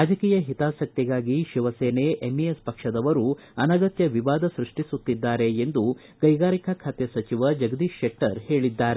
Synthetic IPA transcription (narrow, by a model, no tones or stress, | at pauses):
ɾaːd͡ʒɐkiːjɐɦit̪aːsɐk̚t̪iɡaːɡiʃiʋɐseːneʔemiespɐkʂɐd̪ɐʋɐɾu | ɐnɐɡɐt̪jɐʋiʋaːd̪ɐsɾuʂʈisut̪ːid̪ːaːɾe̞end̪u | ɡ̥ɐjɡaːɾikakʰaːt̪jɐsɐt͡ʃiʋɐd͡ʒɐɡɐd̪iːʃekʈɐɾhe̞ːɭid̪ːaːɾe